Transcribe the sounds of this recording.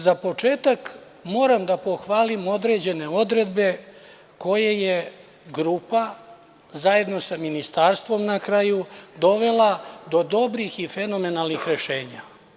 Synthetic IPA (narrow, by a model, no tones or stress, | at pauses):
zapo̞t͡ʂe̞ːt̪ak | mo̞ːɾamd̪apo̞xʋaːlimo̞d̪ɾe̞d͡ʑe̞ne̞o̞d̪ɾe̞d̪be̞ | ko̞jeje | ɡɾuːpa | zaje̞d̪no̞saminist̪aːɾst̪ʋo̞mnakɾaːjud̪o̞ʋe̞lad̪o̞d̪o̞bɾixife̞no̞me̞nalˠnixɾe̞ʃe̞ːɲa